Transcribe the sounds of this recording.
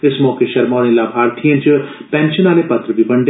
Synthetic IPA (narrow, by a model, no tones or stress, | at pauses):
ɪsmɔːkeʃɐɾmaːnẽlaːbʱaːɾt̪ʰijə̃nt͡ʃəpɛ̃ːnʃənaːlepɐt̪ɾəbʱibɐɳɖ